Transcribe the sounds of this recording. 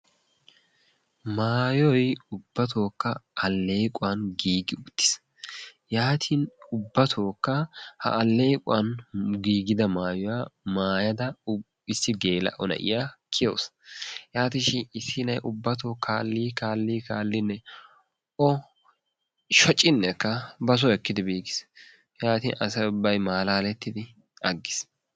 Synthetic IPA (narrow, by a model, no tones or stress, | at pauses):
maːjɔjʊb̥ːɐt̪ʰo̞ːkːɐʔɐlːeːkʼʊwanɡiːɡɪʊt̪ːɪ̥s | jaːt̪ʰinʊbːɐt̪ʰoːkːɐhɐ̰ʔːlːeːkʼʊwɐnɡiːɡɪd̪ɐmaːjɔwaːmaːjɐd̪ɐ | ɪsːɪɡe̞ːlɐ̰ʔɔnɐ̰ʔɪ̰jaːkʰɪjo̰ːsjaːt̪ɪʃɪɪsɪnɐjʔʊbːɐt̪oːkʰaːlːiːkaːlːiːkaːlːɪnːɛ | ʔɔ | ʃɔt͡ʃʼːɪnːɛkːɐbɐs̬ɔɛkːɪd̪ɪbiːɡɪs | jaːt̪ḭːnɐsɛʊbːɐjmaːlaːlɛt̪ːɪd̪ɪ | ɐɡːɪs